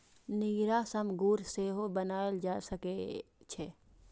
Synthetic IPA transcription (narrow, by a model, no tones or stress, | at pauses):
niːɾaːsəmɡuːɾseːɦobənaːld͡ʒaːsəket͡ʃʰeː